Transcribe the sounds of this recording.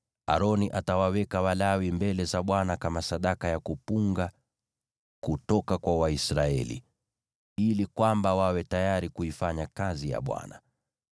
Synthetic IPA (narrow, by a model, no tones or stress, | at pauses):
a̰ɾɔniʔatawawɛkawalawimbɛlɛzaɓwanakamasaɗakajakupuŋɡa | kutɔkakwawaisɾaɛ̰lḭ | ilikwambawawɛtajaɾikuifaɲakazija̰ɓwa̰na̰